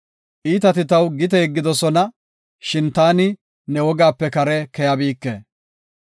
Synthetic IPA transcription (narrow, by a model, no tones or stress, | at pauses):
ʔiːt̪ɐt̪ɪt̪ɐwɡɪt̪ɛɡːɪd̪ɔsɔnɐ | ʃɪnt̪aːnɪ | nɛwɔɡaːpːɛkɐɾɛkɛjɐbiːkːḛː